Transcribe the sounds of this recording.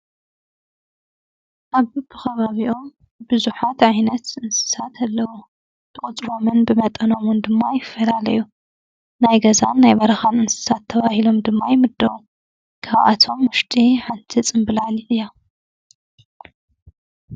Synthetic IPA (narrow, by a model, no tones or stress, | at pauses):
ʔaβɨbɨkʰɐβaβiʔom | bɨzuħat̪ʕajnɐt̪ʔɨnsɨ̥sat̪ʰalːɐwu | t̪ʰɨχʼɨt͡sʼɾo̞mɨnbɨmɐt̪ʼɐno̞mɨnd̪ɨmːajɪfːɐlalɐ̰ju | najɡɐza̰nːajbɐɾɐxanɨnsɨ̥sat̪ʰːɐβahilo̞md̪ɨmːajɪmɨd̪ːɐwu | kʰaβʔa̰t̪ʰo̞mːʊʃt̪ʰʼiħant̪ʰit͡sʼɨmbɨlaliʔɨjːa